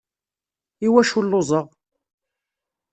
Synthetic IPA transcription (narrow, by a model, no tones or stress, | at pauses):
iwæʃulːozˤəʁ